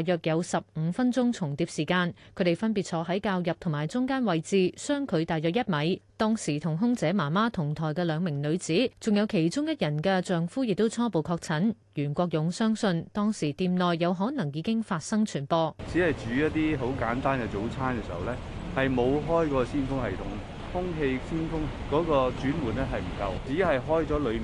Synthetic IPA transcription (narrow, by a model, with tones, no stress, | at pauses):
jœː˨k̚jɐ˨˧wsɐ˨p̚ŋm̩˨˧fɐ˥nt͡sʊ˥ŋt͡sʰʊ˨˩ŋt̪iː˧p̚siː˨˩kaː˧nkʰɵ˨˧˥te˨˩jfɐ˥np̬i˨t̚t͡sʰɔː˨˥ɦɐ˨˥jkaː˧wjɐ˨p̚t̪ʰʊ˨˩ŋmaː˨˩jt͡sʊ˥ŋkaː˥nwɐ˨jt͡siː˨˧sœː˥ŋkʰɵ˨˧ɥt̪aː˨jœː˨˩k̚jɐ˥t̚mɐ˨˥jt̪ɔː˥ŋsiː˨˩t̪ʰʊ˨˩ŋɦʊ˥ŋt͡sɛː˨˥maː˨˩maː˥t̪ʰʊ˨˩ŋt̪ʰɔː˨˩jkɛː˧lœː˨˧ŋmɪ˨˩ŋlɵ˨˧ɥt͡siː˨˥t͡sʊ˨ŋjɐ˨˧wkʰe˨˩jt͡ʃʊ˥ŋjɐ˥t̚jɐ˨˩nkɛː˧t͡sœː˨ŋfuː˥jɪ˨k̚t̪o˥wt͡sʰɔː˥po˨wkʰɔː˧k̚t͡sʰɐ˨˥n | jyː˨˩nkʷɔː˧k̚jʊ˨˧ŋsœː˥ŋsɵ˧nt̪ɔː˥ŋsiː˨˩t̪iː˨˧mnɔː˨jːɐ˨˧wɦɔː˨˥nɐ˨˩ŋjiː˨˧kɪ˥ŋfaː˧t̚sɐ˥ŋt͡ʃʰyː˨˩npɔː˧t͡siː˨˥hɐ˨jt͡ʃyː˨˧˥jɐ˥t̚t̪iː˥ɦo˨˥wkaː˨˥nt̪aː˥nkɛ˧t͡so˨˥wt͡sʰaː˥nkɛ˧siː˨˩hɐ˨wlɛː˥hɐ˨jmo˨˧wɦɔː˥jkɔː˧siː˥nfʊ˥ŋɦɐ˨jt̪ʰʊ˨˥ŋ | hʊ˥ŋɦe˧jsiː˥nfʊ˥ŋkɔː˨˥kɔː˧t͡syː˨˥nwuː˨˩nɛ˥ɦɐ˨jm̩˨˩kɐ˧wt͡siː˨˥ɦɐ˨jɦɔː˥jt͡sɔː˨˥lɵ˨˧m˨